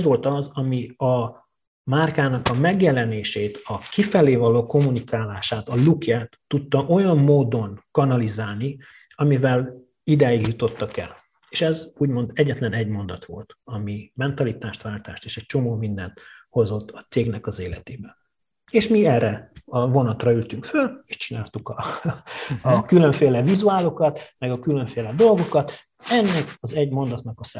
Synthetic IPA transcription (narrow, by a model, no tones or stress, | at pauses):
zʋo̞lt̪ɒzɒmiɒ | maːrkaːnɒkɒmɛɡjɛlɛneːʃeːt̪ɒkifɛleːvɒloːko̞mːunikaːlaːʃaːt̪ɒlukɛt̪ːut̪ːɒʔo̞jɒmːoːd̪o̞nkɒnɒlizaːlni | ɒmivɛl | id̪aːjiɡjut̪o̞t̪ːɒkɛ̰l | eːʃɛzuːɟmo̞nd̪ɛɟːɛt̪lɛnɛɟmo̞nd̪ɒt̪ʋo̞̰lt̪ɒmimɛnt̪ɒlit̪aːʃt̪ʋaːlt̪aːʃt̪eːʃɛc̚t͡ʃo̞moːmind̪ɛnt̪ho̞zo̞t̪ːɒt̪seːɡnɛkɒzeːlɛt̪eːbɛn | eːʃmiɛrɛɒvo̞nɒt̪rɒylt̪yŋkføleʃt͡ʃinaːlt̪ukɒ | kyløɱfeːlɛvizuaːlo̞kɒt̪mɛɡɒkyløɱfeːlɛd̪o̞lɡo̞kɒt̪ | ɛnːɛkɒzɛɟmo̞nd̪ɒt̪nɒkɒsɛ